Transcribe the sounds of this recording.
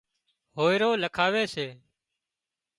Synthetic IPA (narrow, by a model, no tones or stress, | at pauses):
ɦoːɪɾoːləkʰaːʋeːseː